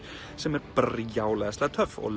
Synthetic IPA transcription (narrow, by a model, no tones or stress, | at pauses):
sɪmɛb̥rjawlɛslat̪ʰœfɔ̰l